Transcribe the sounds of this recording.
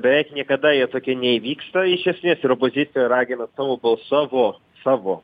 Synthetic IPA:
bʲɛʋʲɛɪknʲiɛkɐd̪ɐjiɛt̪oːkʲɪɛnʲɛiːʋʲiːkst̪ɐɪʃʲɛsʲmʲeːsɪɾoːpoːzʲɪt̪ʲɪjoːɾɑːɡʲɪnɐsɑːʋoːbɐlˠsɑːʋoː | sɑːʋoː

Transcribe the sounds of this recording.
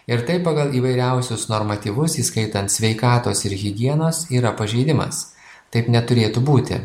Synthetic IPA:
ɪɾt̪ɐɪppːɑɡɐlˠiːʋɐɪɾʲɛˑʊsʲʊsnoɾmɐt̪ʲiːʋʊsiːskɐɪt̪ɐnt̪sʲʋʲɛɪkɑːt̪oːsɪɾɣʲɪɡʲiɛnoːsiːɾɐpɐʒʲɛɪd̪ʲɪmɐ̰s | t̪ɐɪpnʲɛt̪ʊɾʲeːt̪ʊbuːt̪ʲɪ̰

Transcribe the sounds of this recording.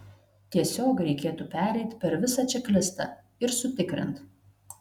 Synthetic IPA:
t̪ʲiɛsʲoːkɾʲɛɪkʲeːt̪upʲæːɾʲɛɪt̪ʲpʲɛɾʋʲɪsɐˑt͡ʃʲɛklʲɪst̪ɐ̰ˑ | ɪɾsʊt̪ʲɪkɾʲɪ̰nt̪

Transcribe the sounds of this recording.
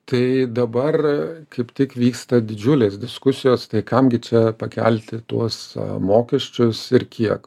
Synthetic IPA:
t̪ɐɪd̪ɐbɐrkɐɪpt̪ʲɪkʋʲiːkst̪ɐd̪ʲɪd͡ʒʲʊlʲeːsd̪ʲɪskʊsʲɪjoːst̪ɐɪkɐmɡʲɪt͡ʃʲɛpɐkʲɛ̰lʲt̪ʲɪt̪uɔsmoːkʲɛʃʲt͡ʃʲʊsɪrkʲiɛk

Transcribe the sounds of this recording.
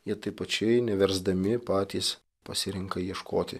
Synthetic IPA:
jiɛt̪ɐɪpɐt͡ʃʲɛɪnʲɛʋʲɛɾzd̪ɐmʲɪpɑːt̪ʲiːs | pɐsʲɪɾʲɪŋkɐjiɛʃkʰoːt̪ʲɪ̰

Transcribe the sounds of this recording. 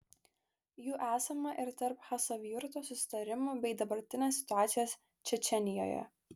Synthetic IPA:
juːʔæːsɐmɐʔɪɾt̪ɐɾphɐsɐʋʲiʊɾt̪oːsʊsʲɪ̥t̪ɐɾʲɪmoːbʲɛɪd̪ɐbɐɾʲt̪ʲɪnʲeːsːʲɪ̥t̪ʊɑːt̪sʲɪjoːs | t͡ʃʲɛt͡ʃʲɛnʲɪjo̰ːjɛ̰

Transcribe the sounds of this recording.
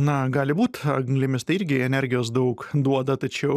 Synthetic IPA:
nɐɡɑːlʲɪbuːt̪ɐɡŋɡlʲɪmʲɪst̪ɐɪɪɾʲɡʲɪɛnʲɛɾʲɡʲɪjoːs̬d̪ɐʊkd̪uɔd̪ɐt̪ɐt͡ʃʲɛʊ

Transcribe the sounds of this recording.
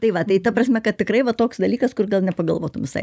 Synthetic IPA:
t̪ɐɪʋɐt̪ɐɪt̪ɐpɾɐsʲmʲɛkɐt̪̚tʲɪkrɐɪʋɐt̪oːksd̪ɐlʲiːkɐskʊrɡɐlˠnʲɛpɐɡɐ̰lˠʋoːt̪ʊmʋʲɪsɐ̰ɪ

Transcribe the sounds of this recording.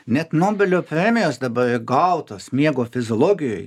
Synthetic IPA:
nʲɛt̪noːbʲɛlʲoːpʲɾʲɛmʲɪjoːsd̪ɐbɐɾɪɡɐʊt̪oːsmʲiɛɡoːfʲɪzʲoːlˠoːɡʲɪjo̰ːj

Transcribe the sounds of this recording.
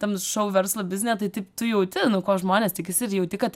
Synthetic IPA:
t̪ɐnʃɐʊʋʲɛɾslˠɐbʲɪzʲnʲjɛt̪ɐɪt̪ɐɪpt̪ʊjɛʊt̪ʲɪnʊkoːʒmoːnʲeːstʲɪkʲɪsʲɪɪɾjɛʊt̪ʲɪkɐt̪

